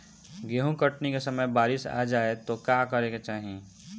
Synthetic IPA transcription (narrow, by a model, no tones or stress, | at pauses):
ɡeɦũkəʈnikesəməjbaːɾɪsa̰ːd͡ʒaːet̪okakəɾeket͡ʃaːɦiẽ